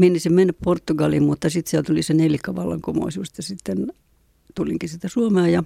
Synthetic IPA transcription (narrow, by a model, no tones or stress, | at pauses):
mienːisimmenːæpport̪ːuɡɑlimmut̪ːɑsit̪sielt̪ulisenelikːɑʋɑlːɑ̰ŋkomo̰isuːˑst̪jɑsit̪ːen | t̪uliŋkisit̪æsuomeɑːjɑ